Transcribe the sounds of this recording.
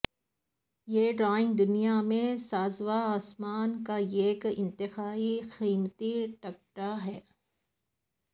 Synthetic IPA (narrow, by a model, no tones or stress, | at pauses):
jeːɖɾaːɪ̃ŋɡ̚d̪ʊnijamẽsaːzʋaaːsmaːnkaeːkɪ̰̃nt̪ɪxaːixiːmt̪iʈɐk̚ʈaɦɛː